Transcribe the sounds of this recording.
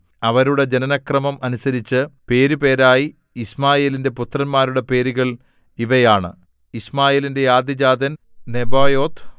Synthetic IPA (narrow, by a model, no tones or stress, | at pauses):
ɐʋɐɾuɽe̞d͡ʑe̞nɐnɐkrɐmɐmɐnusɐɾit͡ɕːɨpe̞ːɾupe̞ːɾaːji | ismaːjeːlinde̞put̪ːrɐnmaːɾuɽe̞pe̞ːɾuɣɐɭ | iʋɐjaːɳɨ̰ | ismaːjeːlinde̞jaːd̪id͡ʑaːd̪ɐn | ne̞baːjo̞ːt̪ː